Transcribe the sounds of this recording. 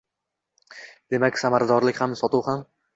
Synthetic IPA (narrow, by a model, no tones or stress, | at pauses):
d̪̥e̞makʲsamaɾad̪ɒɾlɪkʲhamsɒt̪uwham